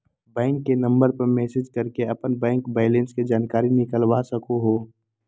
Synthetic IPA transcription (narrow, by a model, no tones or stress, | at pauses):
bɛ̃ːŋkːenɐ̃mbəɾpɐɾmɛːsɪd͡ʒkɐɾkeɐpənbɛ̃ːŋkbaːɪlẽnsked͡ʒaːnkaːɾinɪkəlwasəkoɦoː